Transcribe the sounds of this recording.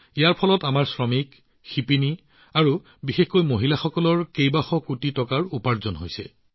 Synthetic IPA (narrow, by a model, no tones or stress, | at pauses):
ijaɹpʰɔlɔtamaɹsɹɔmik | xipini | aɹu | bixexkojmoɦilaxɔkɔlɔɹkejbaxɔkutitɔkaɹupaɹzɔnɦojsɛ̰